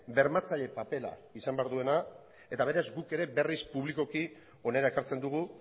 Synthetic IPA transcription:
be̞ɾmat͡saʎe̞pape̞la̰isambe̞aɾðue̞na | e̞t̪aβ̞e̞ɾazɡuke̞ɾe̞be̞rispuβliko̞ki | o̞ne̞ɾae̞kaɾt͡se̞nd̪uɣ̞u

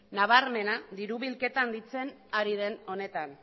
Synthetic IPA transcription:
naβ̞aɾme̞nad̪iɾuβ̞ilke̞t̪and̪it͡se̞naɾið̞e̞no̞ne̞t̪an

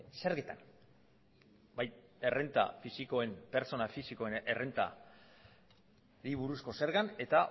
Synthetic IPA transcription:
seɾɣet̪a̰n | baje̞re̞nt̪a̰fisiko̞e̞mpe̞ɾt͡so̞nafisiko̞enʔere̞nt̪a̰ | ɾiβuɾusko̞se̞ɾɣane̞t̪a

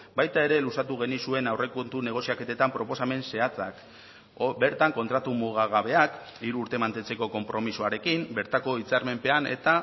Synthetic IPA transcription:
bajt̪ae̞ɾe̞lusat̪uɣ̞e̞nisue̞nawre̞kont̪une̞ɣ̞o̞siake̞t̪et̪ampɾo̞po̞same̞nse̞at͡sak | be̞ɾt̪aŋko̞nt̪ɾat̪umuɣaɣaβe̞akiɾuːɾt̪e̞mant̪e̞nt͡se̞ko̞ko̞mpɾo̞misoaɾe̞kimbe̞ɾt̪ako̞it͡saɾme̞mpe̞ane̞̰t̪a

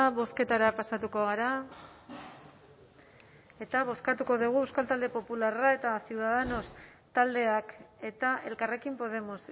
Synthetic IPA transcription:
βo̞ske̞t̪aɾapasat̪uko̞ɣaɾa | e̞t̪aβo̞skat̪uko̞ðuɣ̞uewskalt̪ald̪e̞po̞pularae̞t̪asiuðaðeno̞st̪ald̪e̞ake̞t̪aʔe̞lkare̞kimpo̞ð̞e̞mo̞s

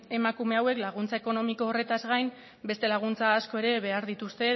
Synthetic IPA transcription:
e̞makume̞awe̞klaɣ̞unt͡saeko̞no̞miko̞ːre̞t̪azɣajm | be̞st̪e̞laɣ̞unt͡saːsko̞e̞ɾe̞βe̞aɾðit̪ust̪e̞

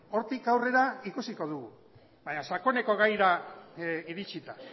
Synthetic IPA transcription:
o̞ɾt̪ikawre̞ɾaikusiko̞ðuɣu | βaɲasako̞ne̞ko̞ɣajɾa | iɾit͡ʃit̪a

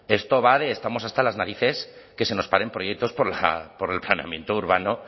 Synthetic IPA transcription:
e̞st̪o̞βaðe̞ːst̪amo̞sast̪alaznaɾiθe̞s | ke̞se̞no̞spaɾe̞mpɾo̞jek̚t̪o̞spo̞ɾla̰po̞ɾe̞lplaneamje̞nt̪ouɾβano

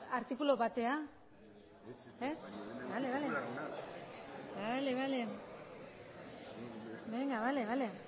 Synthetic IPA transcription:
aɾt̪ikulo̞βat̪e̞a | esbale̞βale̞ | bale̞βale̞ | beŋɡaβale̞βale̞

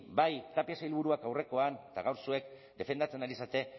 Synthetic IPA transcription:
bajt̪apiasailβuɾuakawre̞ko̞anet̪aɣawɾsue̞k | d̪e̞fe̞nd̪at͡se̞naɾisat̪e̞

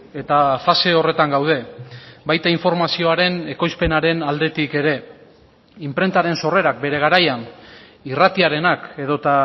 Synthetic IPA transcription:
e̞t̪afase̞o̞re̞t̪aŋɡawð̞e̞bajt̪aiɱfo̞ɾmasio̞aɾe̞ne̞ko̞jspe̞naɾe̞nald̪e̞t̪ike̞ɾe̞ | impɾe̞nt̪aɾe̞nso̞re̞ɾakbe̞ɾe̞ɣ̞aɾajan | irat̪iaɾe̞nake̞ðo̞t̪a

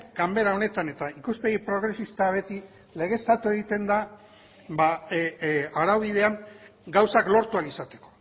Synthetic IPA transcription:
ɡambe̞ɾao̞ne̞t̪ane̞t̪aikuspeɣipɾo̞ɣ̞ɾe̞sist̪aβe̞t̪i | le̞ɣ̞e̞st̪at̪ue̞ɣit̪e̞nd̪a | ba | aɾawβið̞e̞aŋɡawsaklo̞ɾt̪ualisat̪e̞̥ko̞

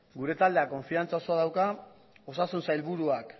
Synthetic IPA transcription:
ɡuɾe̞t̪ald̪e̞ako̞ɱfiant͡sao̞so̞aðawka | o̞sasunsajlβuɾuak

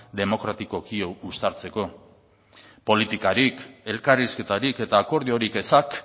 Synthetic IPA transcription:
d̪e̞mo̞kɾat̪iko̞kioust̪aɾt͡se̞ko̞ | po̞lit̪ikaɾike̞lkariske̞t̪aɾike̞t̪aːko̞ɾðioɾike̞sak

